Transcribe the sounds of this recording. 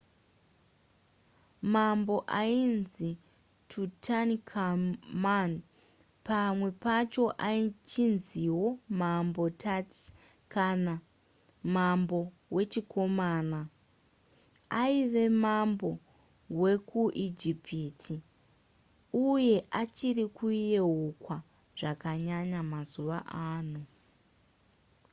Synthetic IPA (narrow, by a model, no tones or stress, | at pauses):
mambo̞ʔainzi | tʰutʰankʰaman | pamwe̞pat͡ʃo̞ʔait͡ʃinziwo̞mambo̞tʰati̥ | kana | mambo̞ | we̞t͡ʃiko̞maːna | aiʋe̞mambo̞ | we̞kuʔid͡ʒipʰiːtʰi | uje̞ʔat͡ʃirikuije̞ɦukwa | ʐakaɲaɲamazuʋa̰ʔaːno